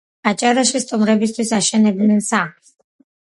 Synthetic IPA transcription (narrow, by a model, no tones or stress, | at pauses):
at͡ʃʼaɾaʃist̪ʼumɾɛbis̬t̪ʰwisaʃɛnɛbd̪nɛnsaχs